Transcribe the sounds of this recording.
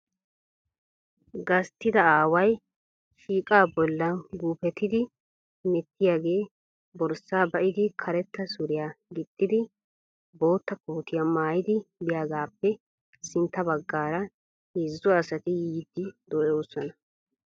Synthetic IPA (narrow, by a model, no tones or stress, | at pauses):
ɡɐst̪ːɪd̪ɐaːwɐj | ʃiːkʼaːbɔlːɐɡuːpɛt̪ːɪd̪ɪ | mɪt̪ːɪjaːɡe̞ː | bɔɾsːaːbɐʔɪd̪ɪkʰɐɾɛt̪ːɐsʊɾɪjaːɡɪt̪ʼːɪd̪ɪ | bo̞ːt̪ːɐkuːt̪ɪjamaːjɪd̪ɪbɪjaːɡaːpːɛ | sɪnt̪ːɐbɐɡːaːɾɐ | hɪzːɔɐsɐt̪ɪjiːd̪ɪd̪oːɛoːsɔnɐ